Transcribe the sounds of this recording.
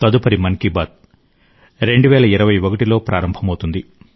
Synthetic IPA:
t̪ɐd̪upɐɾimɐnkibaːt̪̚ | ɾe̞ɳɖuʋɛːlɐiɾɐʋɐjokɐʈilo̞ːpɾaːɾɐmbʱɐmɐwt̪und̪i

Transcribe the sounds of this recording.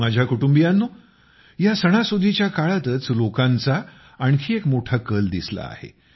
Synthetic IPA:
ad͡ʑʱjakuʈumbijanːo | jasəɽ̃asud̪ʱit͡ɕjakaɭat̪ət͡slokant͡saː | ɳkʰiːekmoʈʰakəld̪isla̰a̰hḛ

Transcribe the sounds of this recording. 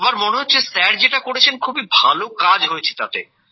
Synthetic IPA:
baɾmoneɦotːɕʰesɛɾd͡ʑeʈakoɽet͡ɕʰenkʰubibʱalokad͡ʑɦojet͡ɕʰe̥t̪at̪ḛ

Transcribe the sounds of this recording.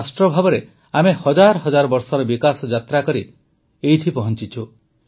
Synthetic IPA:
sʈɾɔbʱabɔɾe | amehɔd͡ʒaɾɔɦɔd͡ʒaɾɔbɔɾsɔɾɔbikasɔd͡ʒat̪ɾakɔɾi | eit̪ʰipɔɦɔnt͡ʃit͡ʃʰu

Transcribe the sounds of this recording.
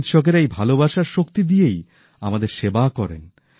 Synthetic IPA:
t̪ʃɔkeɾejbʱalobaʃaɾʃokt̪id̪ijej | amad̪eɾʃebakɔɾḛn

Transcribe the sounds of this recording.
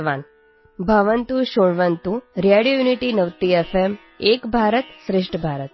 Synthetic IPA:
ʋan | bʱəʋənt̪ũʃoɽʋənt̪ũɾjaɽijojuniʈinəʋt̪iefʰem | ekbʱaɾət̪sɾɪʂʈʰəbʱaɾət̪̚

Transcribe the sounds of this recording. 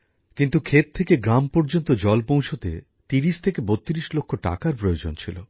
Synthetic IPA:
kint̪ukʰet̪̚t̪ʰːekeɡɾampɔɾd͡ʑont̪od͡ʑɔlpõwt͡ɕʰot̪ḛ | t̪iɾiʃt̪ʰekebot̪ːiɾiʃlokʰːoʈa̰kaɾpɾojod͡ʑont͡ɕʰilo̰

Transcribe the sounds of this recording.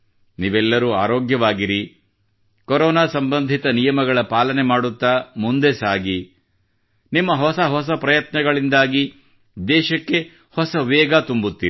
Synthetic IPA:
niːʋɛlːɐɾuːaːɾoːɡjɐʋaːɡiɾi | kɔɾɔːnaːsɐmbɐnd̪ʱit̪ɐnijɐmɐɡɐɭɐpaːlɐnemaːɽut̪ːaːmund̪esaːɡi | nimːɐɦɔsɐɦɔs̬ɐpɾɐjɐt̪nɐɡɐɭind̪aːɡi | d̪ɛːʃɐkːe̞ | hɔsɐʋɛːɡaːt̪umbut̪ːiɾi

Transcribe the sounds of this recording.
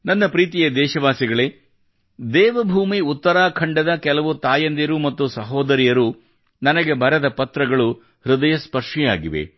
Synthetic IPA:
nɐnːɐpɾiːt̪ijɐd̪ɛːʃɐʋaːsiɡɐɭeː | d̪ɛːʋɐbʱuːmiut̪ːɐɾaːkʰɐɳɖɐd̪ɐkɛlɐʋut̪aːjɐnd̪ijɐɾumɐt̪ːusɐɦɔːd̪ɐɾijɐɾu | nɐnɐɡe̞bʱɐɾɐd̪ɐpɐt̪ɾɐɡɐɭu | ɾud̪ɐjɐspɐɾʂijaːɡiʋḛ

